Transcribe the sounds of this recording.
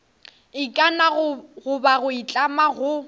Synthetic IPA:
ɪkʼanaɣʊbaɣʊit͡ɬʼamaɣʊ

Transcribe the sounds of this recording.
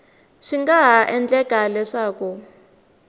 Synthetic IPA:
ʂiŋɡaɦaʔɛnd͡ɮɛkʼalɛʂaːku

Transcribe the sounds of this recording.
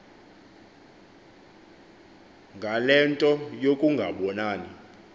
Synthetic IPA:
ŋɡʱalɛntʼɔjokʼuŋɡʱaɓɔnaːni

